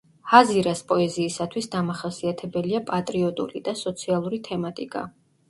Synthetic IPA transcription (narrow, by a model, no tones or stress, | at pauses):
haziɾaspʼɔɛziːsat̪ʰwisd̪amaχasiat̪ʰɛbɛliapʼat̪ʼɾiɔt̪ʼṵɾid̪asɔt̪sʰialˠuɾit̪ʰɛmat̪ʼikʼa̰